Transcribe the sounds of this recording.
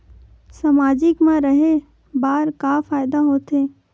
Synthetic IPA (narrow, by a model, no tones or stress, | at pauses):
samaːd͡ʒɪkmãɾɐɦe | baːɾkaːfaːjd̪aɦoːt̪eː